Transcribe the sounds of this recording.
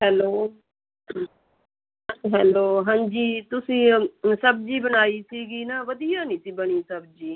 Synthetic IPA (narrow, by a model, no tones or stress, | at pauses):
ɦɛːloː | ɦɛːloːɦãːɲd͡ʒiːt̪ʊsĩːsəb̚d͡ʒiːbəñaːiːsiːɡiːnaːʋəd̪ijaːnĩːsiːbəɽ̃iːsəbd͡ʒiː